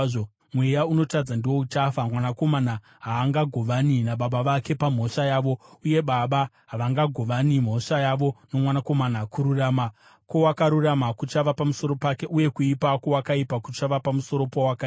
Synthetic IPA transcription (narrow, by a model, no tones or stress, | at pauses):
o | mwe̞jauno̞tad͡zandiwo̞ut͡ʃafamwanako̞mana | ɦaːŋɡaɡʱo̞ʋaninaɓaɓaʋake̞pam̤o̞ʂajaːʋo̞uje̞ɓaɓa | ɦaʋaŋɡaɡʱo̞ʋanim̤o̞ʂajaʋo̞no̞mwanako̞manakuɾurama | ko̞wakaɾuramakut͡ʃaʋapamuso̞ɾo̞pake̞ʔuje̞kuipako̞wakaipakut͡ʃaʋapamuso̞ɾo̞powakai